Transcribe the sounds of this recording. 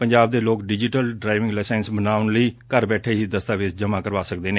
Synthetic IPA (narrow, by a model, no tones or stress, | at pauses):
pəɲd͡ʒaːb̚d̪eːloːkɖɪd͡ʒɪʈəlɖɾaːɪʋɪ̃ŋɡlɛːsɛːnsbənaːʋənləiːkəɾbɛːʈʰeːɦiːd̪əst̪aːʋɪsd͡ʒəmãːkəɾʋaːsək̚d̪eːneː